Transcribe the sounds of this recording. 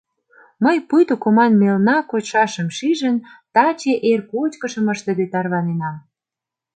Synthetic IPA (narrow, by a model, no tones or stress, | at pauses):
məjpujt̪okomɑnmelnɑkot͡ɕʃɑʃə̆mʃiʒə̆nt̪ɑt͡ɕeʔerkot͡ɕkə̆ʃə̆məʃt̪ə̆ɣet̪ɑrβɑnenɑm